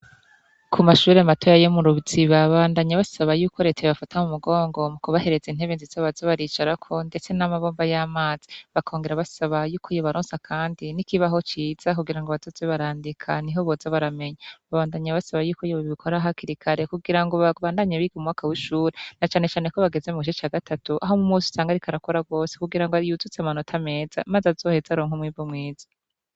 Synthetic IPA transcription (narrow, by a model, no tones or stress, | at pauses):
kʰumaʃuːɾeamatʰo̞jajomuɾuβziβaβaːndaɲaβasaβajuːko̞ɾe̞ːtajoβafatamumuɡo̞ːŋɡo̞mukoβahe̞ɾe̞ziːn̥he̞βeːnziz̥aβazaβaɾiːt͡ʃaɾakʰo̞nde̞t͡se̞namaβoːmbajamaːz̥i̥βakʰoːŋɡeɾaβasaβajuːkʰojoβaɾoːnsakʰaːndinikiβaɦo̞t͡ʃiːz̥akuɡiɾaŋɡoβazozeβaɾaːndikʰaniɦo̞βozaβaɾame̞ɲaβaβaːndaɲaβasaβajuːkojoβaβiβikʰo̞ɾaɦakiɾikʰaɾe̞kuɡiɾaŋɡo̞βaβaːndaɲaβiɡemumŋaːkawiʃuːɾenat͡ʃaːne̞t͡ʃaːne̞ko̞βaɡe̞zemukiʃot͡ʃaːɡatʰatuʔaɦomumuːsu̥saːŋɡaɾikʰaɾakoɾaɡo̞ːsekuɡiɾaŋɡoajuzut͡seamanotʰame̞ːz̥a̰mazazo̞ːhe̞zaɾoːŋhumŋiːbomŋiːzḁ